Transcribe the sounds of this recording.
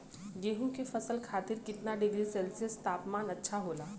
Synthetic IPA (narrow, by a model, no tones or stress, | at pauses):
ɡeːɦũkefɐsəlkʰaːt̪ɪɾkɪt̪naɖɪɡɾisɛːlsiəst̪aːpmaːnɐtːʃʰaɦoːlaː